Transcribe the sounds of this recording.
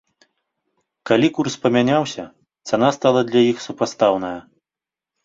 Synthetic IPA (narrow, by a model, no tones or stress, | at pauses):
kalʲikurspɐmʲanʲawsʲɐ | t̪sɛnast̪alˠɐd̪lʲɐjixsupast̪awnɐjɐ